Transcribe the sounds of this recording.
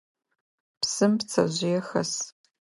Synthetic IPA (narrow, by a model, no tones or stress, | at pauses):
psɨmpt͡sʰɐ̰ʑɪjɛxɐ̰s